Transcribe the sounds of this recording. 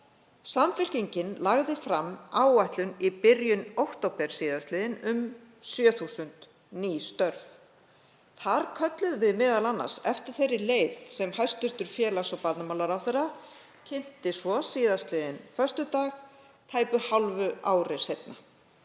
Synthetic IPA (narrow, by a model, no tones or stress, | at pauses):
samfɪl̥ciɲcɪnlaɣðɪfɾamːaːwaht̪lʏnipɪɾjʏnowht̪owpɛɾ̥siːðast̪lɪːðɪnʏm | sjœːθuːsʏnt̪ | niːst̪œɾv | θaɾkʰœt̪lʏðvɪðmɪːðalanːa̰̥sɛft̪ɪɾ̥θejɾːɪleːjðsɛmhajst̪ʏr̥t̪ʏɾ̥fjɛːlasɔpat̪namawlaɾawθejrːa | cʰɪn̥t̪ɪsɔsiːðast̪lɪðɪnfœ̥st̪ʏt̪aːɣ | t̪ʰaːjpʏhalvʏaːwɾɪ̥sejt̪na